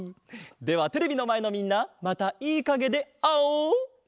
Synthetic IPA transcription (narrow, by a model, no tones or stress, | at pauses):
d̪e̞βat̪e̞ɾe̞bʲino̞mae̞no̞mʲĩnːamat̪aiːkaɡe̞d̪e̞ao